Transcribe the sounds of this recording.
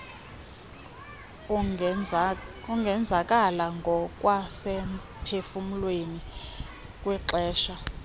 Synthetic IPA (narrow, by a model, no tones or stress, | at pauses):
uŋɡʱɛnd͡zʱakʼalaŋɡʱɔkʼwasɛm | pʰefumulweni | kʼwiǁɛːʃa